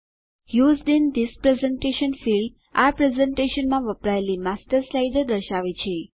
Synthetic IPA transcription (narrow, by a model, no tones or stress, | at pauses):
juzɖind̪ispɾezẽɳʈeʃənfilɖ | apɾezẽɳʈeʃənmãʋəpɾajliːmasʈəɾslajɖəɾd̪əʃaʋit͡ɕʰe